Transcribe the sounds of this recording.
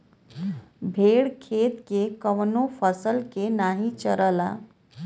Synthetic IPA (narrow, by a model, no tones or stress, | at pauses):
bʱeɽkʰeːt̪kekəʋnopʰəsəlkenaɦĩt͡ʃəɾəla̰